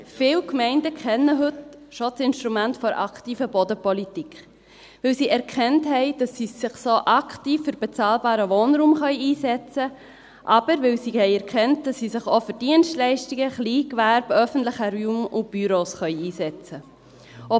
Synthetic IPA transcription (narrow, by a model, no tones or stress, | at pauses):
fɪwkmɛɪndəkʰχɛnːəɦɵtʃosɪnʃtɾumæntfɔɾʔɑ̰ktiːfəbɔdəpɔlitikχ | ʋɪlsiːɛɾkʰɛntɦɛɪd̥ɑsːiːsːɪχsoʔɑkʰtiːfːʏɾb̥ɛt͡sɑːlbɑːɾəʋoːnɾuːmχœʏiːsɛt͡sə | ʔɑb̥əɾʋɪlsiːhɛɪɛɾkχɛnt̚d̥ɑsːiːsɪχofəɾd̥iənʃtlɛɪʃtiɡəχliːkʋæɾb̥œfən̩tlɪχəɾymʊb̥yɾoːsχœʏiːsɛt͡sə | ɔ